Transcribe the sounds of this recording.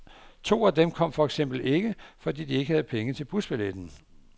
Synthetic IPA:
t͡sʰo̝̰ːæd̥emkʰɒ̽m̰fɒ̽eɡ̥sem̰b̥l̩e̝ɡ̥əfɒ̽d̥ḭːd̥ie̝ɡ̥əhæð̞̩ˠpʰeŋət͡sʰe̝lb̥usb̥eled̥n̩

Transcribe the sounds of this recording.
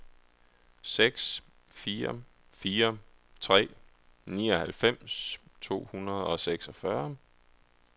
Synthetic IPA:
seɡ̥s | fiːɐ | fiːɐt͡sʰʁɛ̰ː | nḭːɒ̽hælfem̰st͡sʰo̝̰ːhunɐð̩ˠɒ̽seɡ̥sɒ̽fɶɐ

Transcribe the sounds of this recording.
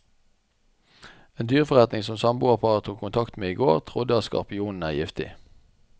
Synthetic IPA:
eːnd̪yːʁfɔʁɛt̪nɪŋsɔmsɑmbuːɑʁpʰɑːʁət̪ʰuːkʰːʊnt̪ʰɑkt̪meːiːɡoːʁt̪ʰʁʊd̪əɑtskɑ̰ʁpɪuːnn̩æːʁjɪft̪ɪ̰

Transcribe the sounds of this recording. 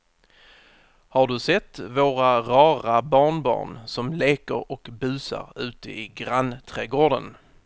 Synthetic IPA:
haɖɵsɛt̪ːvoːɾaɾɑːɾabɑːɳbɑ̰ːɳsɔmleːkəɾɔkbʉ̟ːsa̰ɾʉ̟ːt̪əʔɪɡɾant̪ʰɾɛːɡoːɖə̰n

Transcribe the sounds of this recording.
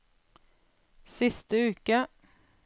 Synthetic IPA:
sɪst̪əʉːkə

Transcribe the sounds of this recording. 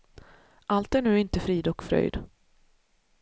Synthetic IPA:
ʔalt̪æɳʉːɪnt̪əfɾiːd̪ɔkfɾœ̰jd̪

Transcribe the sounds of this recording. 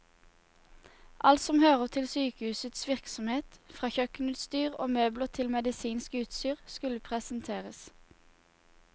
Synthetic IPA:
ʔɑlt̪sɔmhøːʁəʁt̪ʰɪlsyːkəhʉːsət̪sʋɪʁksɔmheːt̪fʁɑːçœknʉːt̪st̪yːʁo̰ːmøːbləʁt̪ʰɪlmɛd̪ɪsiːnskʉːt̪syːʁskʉləpʰʁɛsənt̪ʰeːʁəs

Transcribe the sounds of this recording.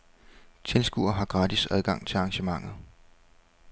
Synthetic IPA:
t͡sʰe̝lsɡ̥ṵɐɦɑ̈ɡ̥ʁɑ̈ːd̥isæð̞ˠɡ̥ɑ̈ŋ̰t͡sʰe̝lɑ̈ːŋɕəmɑ̈ŋ̰ð̞̩ˠ

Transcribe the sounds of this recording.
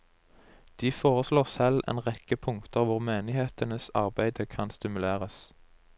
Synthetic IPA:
d̪̥iːfoːʁəsloːʁsɛlḛːnʁɛkəpʰʊŋkt̪əʁʋʊʁmeːnɪheːt̪ənəsɑ̰ʁbæɪd̪əkʰɑnst̪ɪmʉleːʁəs

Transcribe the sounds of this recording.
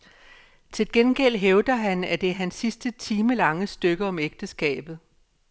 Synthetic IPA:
t͡sʰe̝lɡ̥enɡ̥el̰ɦeʊd̥ɐɦænæd̥e̝ɦænsːisd̥ət͡sʰiːməlɑ̈ŋəsd̥øɡ̥əɒ̽meɡ̥̚d̥əsɡ̥ɛ̰ːb̥ð̩ˠ

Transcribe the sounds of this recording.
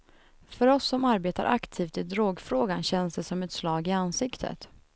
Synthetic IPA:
fœɾɔsːɔmaɾbeːt̪a̰ɾʔakt̪ʰiːft̪ɪd̪ɾoːɡfɾoːɡanɕɛnsd̪ɛsɔmɛt̪slɑːɡɪanːsɪkt̪ʰə̰t̪

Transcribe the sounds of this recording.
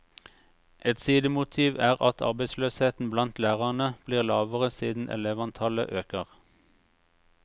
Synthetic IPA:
ʔɛt̪siːd̪əmʊt̪ʰiːʋæːʁɑt̪ʰɑ̰ʁbæɪsløːsheːt̪n̩blɑnt̪læːʁɑʁnəb̥liːʁlɑːʋəʁəsiːd̪n̩ʔɛ̰leːʋɑnt̪ʰɑlə̰ʔøːkəʁ

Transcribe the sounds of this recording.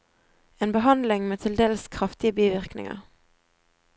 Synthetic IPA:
eːnbəɦɑnd̪lɪŋmeːt̪ʰɪld̪eːləskʰʁɑft̪ɪəbiːʋɪʁknɪ̰ŋɑ̰ʁ

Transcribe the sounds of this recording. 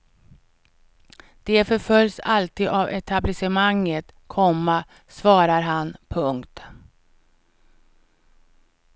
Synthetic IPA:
d̪̥ɛfœɾfœljsalt̪ʰiːd̪avɛt̪ʰablɪsɛmaŋːət̪kʰɔmːa | svɑːɾaɾɦanpʰɵŋkt̪

